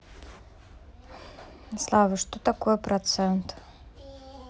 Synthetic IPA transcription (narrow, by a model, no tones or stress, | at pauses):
slˠavəʃt̪ot̪akoɛpɾat̪sɛnt̪